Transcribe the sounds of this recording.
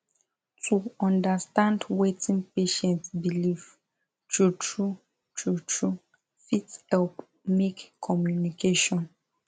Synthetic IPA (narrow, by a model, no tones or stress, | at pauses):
tʰuɔ̃ndəstãndwetʰĩnpeʃɛ̃ntsbiliv | tɹutɹu | t͡ʃɹutʰɹu | fithɛlp | mekkʰːɔmjunikeʃɔ̃n